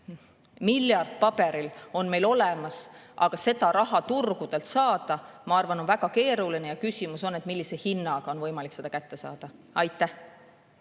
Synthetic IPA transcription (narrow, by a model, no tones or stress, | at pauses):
miljɑrd̪̥̚pɑb̥e̞ɾilo̞nme̞jlo̞lɛmɑsʔɑ̰ɡ̥ɑse̞d̪ɑɾɑɦɑt̪urɡud̪̥e̞lt̪sɑːd̪̥ɑmɑɑrvɑno̞nvæɡ̥ɑke̞ːɾulinejɑkysʲimuso̞nːe̞t̪ˑmilːisehinːɑɡ̥ɑo̞nvɤjmɑlikse̞d̪ɑkæt̪ːe̞sɑ̰ːd̪̥ɑ | ɑjt̪ːˑæh